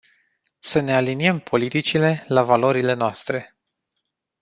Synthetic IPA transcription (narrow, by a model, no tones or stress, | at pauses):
səne̞aliniəmpʰo̞lit̪it͡ʃile̞lavalo̞ɾile̞noast̪ɾe̞